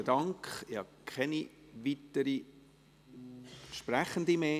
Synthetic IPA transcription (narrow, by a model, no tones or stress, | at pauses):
ədɑŋkχɪhɑkʰɛni | ʋitəɾi | ʃpræχəndimeː